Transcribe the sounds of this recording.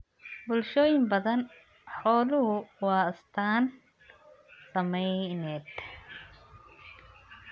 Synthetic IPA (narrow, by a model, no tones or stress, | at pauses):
bʊlʃɔːjɪmbɐðɐn | ħɔːlʊɦʊwɑːɪst̪ʰaːn | sɐmɛjnɛːd̪